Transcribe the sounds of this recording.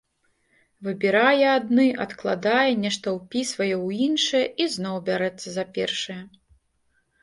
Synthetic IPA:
vɨbʲɛɾajɛad̪nɨʔɐt̪klˠad̪ajɛnʲɛʂt̪ɐwpʲisvɐjɛwinʂɐjɛʔiznɔwbʲaɾɛt̪sːɐzapʲɛ̰rʂɨjɐ

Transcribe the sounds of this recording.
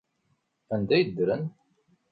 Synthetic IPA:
ænd̪æjəd̪ːɾən

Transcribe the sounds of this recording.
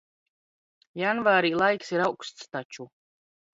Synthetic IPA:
janvaːɾiːlˠajksiɾawkst̪st̪at͡ʃu

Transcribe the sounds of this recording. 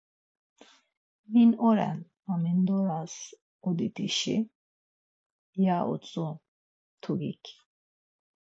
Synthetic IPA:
vinɔɾɛ̰n | amind̪ɔɾas | od̪it̪iʃḭ | jaʔo̰t͡sʼɔ | t̪ʰuɡḭkʲ

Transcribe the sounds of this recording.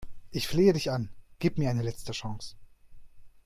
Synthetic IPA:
ʔɪçfleːədɪçanɡ̥iːpmiɐaɪnəlɛt͡stəʃɑŋs

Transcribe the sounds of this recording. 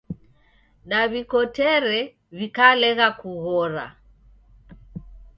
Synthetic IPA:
ɗaβikɔtɛɾɛ | βikalɛɣakuɣɔɾa̰

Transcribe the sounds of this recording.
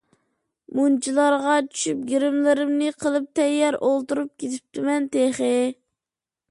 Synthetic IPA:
munt͡ʃʰilˠɑɾʁɑt͡ʃʰy̥ʃyp̚ɡʲeɾɪmlɪɾɪmnɪqʰəlˠɨp̚t̪ʰɛjːɛɾolˠt̪uɾup̚kʲʰet̪ʰɪ̥p̚t̪ʰɪmɛnt̪eχɪ

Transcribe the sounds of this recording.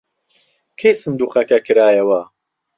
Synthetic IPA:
kʰejsɨnd̪uːqɐkɐkʰɨɾaːjɐwɐ

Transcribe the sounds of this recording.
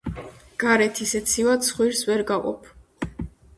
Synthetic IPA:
ɡ̥aɾɛt̪ʰisɛt̪sʰivad̪sχwiɾsvɛɾɡaqʼɔ̰pʰ

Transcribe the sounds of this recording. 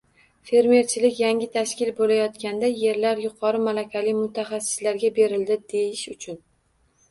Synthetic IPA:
fe̞ɾme̞ɾt͡ʃʰɪlɪkʲjaŋʲɪt̪ʰaʃkʲɪlbolajɒt̪kʲand̪aje̞ɾlaɾjʊqʰɒɾɪmalakʲalɪjmʊt̪ʰaχasːɪ̥slaɾɡʲabe̞ɾɪld̪ɪd̪e̞jɪʃʊt͡ʃʰʊn

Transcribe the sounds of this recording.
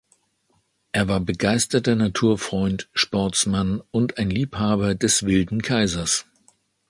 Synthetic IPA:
ʔeːɐvaːɐbəɡaɪstɐtɐnatʰuːɐfʁ̥ɔʏntʃpɔɐt͡smanʊntaɪnliːphaːbɐdɛsv̥ɪldn̩kʰaɪzɐs

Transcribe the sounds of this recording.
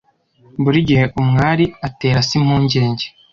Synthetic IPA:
buɾiɟihe̞ʔumŋaːɾiate̞ːɾasim̥huːɲɟe̞ːɲɟe

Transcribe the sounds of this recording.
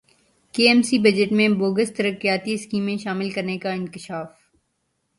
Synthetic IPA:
keːɛːmsibɐd͡ʒəʈmẽboːɡəst̪ɐɾəkijaːt̪iɪskiːmːẽʃaːmɪlkɐɾnekaɪ̃nkɪʃaːf

